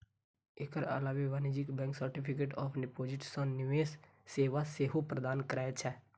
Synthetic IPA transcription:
ekəɾə̰laːʋeʋaːnid͡ʒɪkbɛ̃ːŋksəɾʈɪpʰɪkeːʈɔːpʰɖɪpoːd͡ʒɪʈsɔ̃nɪʋeːsː | eːʋaseːɦopɾəd̪aːnkəɾaːt͡ʃʰɛ

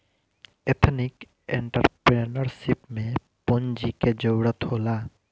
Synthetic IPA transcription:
et̪ʰnik | ḛɳʈəɾpɾenəɾsipmẽ | pond͡ʒiked͡ʒəɽət̪hoːla

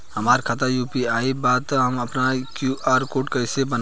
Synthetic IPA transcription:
hɐmaːɾkʰat̪ajuːpiaːibaːt̪ɦɐmɐpnakjuʔaːɾkoːʈkɐɪsebən

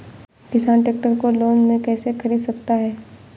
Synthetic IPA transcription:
kɪsaːnʈeːk̚ʈəɾkoloːnmẽkɛːsekʰɐɾiːd̪sɐk̚t̪aɦɛː

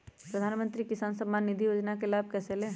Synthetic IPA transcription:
pɾəd̪ʱaːnmə̃nt̪ɾikɪsaːnsəmːaːnːid̪ʱijoːd͡ʒnakelaːb̚ʱkɛːseleː

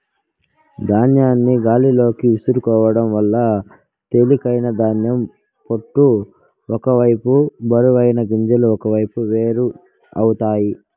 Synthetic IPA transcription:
d̪ʱaːnjaːnːiɡaːlilo̞ːkiusuɾukɔːʋɐɽɐmʋɐlːɐ | t̪e̞likɐjnɐd̪ʱaːnjɐm | poʈːu | ɔkɐʋɐjpubɐɾuʋɐjnɐɡiɲd͡ʒɐluɔkɐʋɐjpuʋe̞ːɾu | ɐwut̪aːji

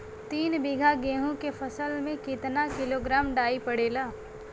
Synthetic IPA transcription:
t̪iːnbɪɡʱaɡeːɦõkepʰəsəlmẽkɪt̪nakɪloɡɾaːmɖaːipəɽeːlaː

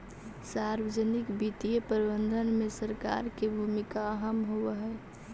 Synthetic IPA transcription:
saɾbəd͡ʒənikbit̪ijepəɾibənd̪ʱənmesəɾka̰ɾkebʱumikaːɦəmɦowəɦɛ

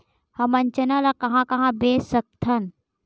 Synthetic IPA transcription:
hɐmɐ̃nt͡ʃənalakɐɦãkɐɦãbeːsək̚t̪ʰɐn

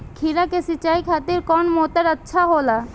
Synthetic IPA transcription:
kʰiɾakesit͡ʃaikʰat̪iɾkɔnmot̪aɾətːʃʰaɦola

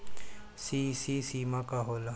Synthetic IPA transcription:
sisisiːmakaɦoːla

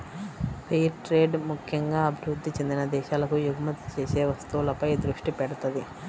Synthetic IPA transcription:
pejʈɾeːɖmukʰjɐŋɡaːɐbʱiɾud̪ːit͡ʃend̪inɐd̪ɛːʃaːlɐkujuɡʱɐmɐt̪ːi̥t͡ʃeːseːʋɐst̪uʋulɐpɐjd̪ɾuʂʈipɛɽɐt̪ɐd̪i

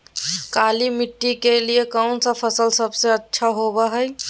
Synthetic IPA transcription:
kalimiʈːikelijekəwnsə̃pʰəsəlsəbsẽətːʃʰaɦobəɦəj

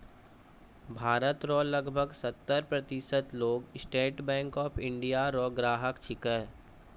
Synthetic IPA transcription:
bʱaːɾət̪ɾɔːləɡbʱəɡsət̪ːəɾpɾɐt̪ɪsət̪loːɡsʈeːʈbɛ̃ːŋkɔːpʰɪ̃ɳɖijaɾɔːɡɾaːɦəkt͡ʃʰɪkəɦ

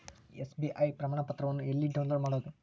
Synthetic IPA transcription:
esbiʔɐjpɾɐmaːɳɐpɐt̪ɾɐʋɐnːuelːiɖɐwnloɽmaːɽoːɐd̪u

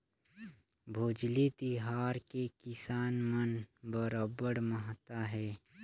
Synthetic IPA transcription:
bʱoːd͡ʒlit̪iɦaːɾkekɪsaːnmənbəɾaːbəɽməɦt̪aɦɛː

